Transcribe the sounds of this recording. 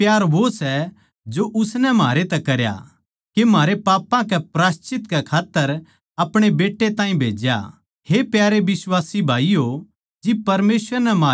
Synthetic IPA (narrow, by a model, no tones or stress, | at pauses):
pjaːɾʋosɛ | d͡ʒoʔʊsnɛmaːɾet̪ɛkɐɾja̰ | kemaːɾepaːpãkɛpɾaːst͡ʃɪt̪kɛkʰaːt̪ːəɾ | ɐpɽ̃ebeːʈːet̪ãːĩbʱeːd͡ʒja̰ | hepjaːɾeʋɪswaːsibʱaːijo | d͡ʒɪpɐɾmeːsʋəɾnɛmaː